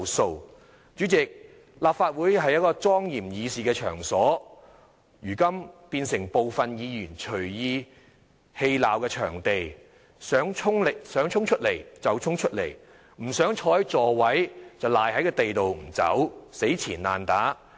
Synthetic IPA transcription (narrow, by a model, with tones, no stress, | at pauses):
so˧w | t͡ʃyː˨˥t͡sɪ˨k̚ | laː˨p̚faː˧t̚wuː˨˥jɦɐ˨jɐ˥t̚kɔː˧t͡sɔː˥ŋjiː˨˩mjiː˨˧siː˨kɛː˧t͡ʃʰœ̰ː˨˩ŋsɔː˨˥ | jyː˨˩kɐ˥mpiː˧nsɪ˨˩ŋpo˨wfɐ˨njiː˨˧jyː˨˩nt͡ʃʰɵ˨˩ɥjiː˧ | he˧jlaː˨wkɛː˧t͡ʃʰœː˨˩ŋt̪e˨j | sœː˨˥ŋt͡ʃʰʊ˥ŋlɪ˨k̚sœː˨˥ŋt͡ʃʰʊ˥ŋt͡ʃʰɵ˥t̚le˨˩jt͡sɐ˨wt͡ʃʰʊ˥ŋt͡ʃʰɵ˥t̚le˨˩j | m̩˨˩sœː˨˥ŋt͡ʃʰɔː˨˥jt͡sɔː˨˩wɐ˨˥jt͡sɐ˨wlaː˨jhɐ˨˥jkɛː˧t̪e˨jt̪o˨wm̩˨˩t͡sɐ̰˨˥wse˨˥jt͡sʰiː˨˩nlaː˨nt̪aː˨˥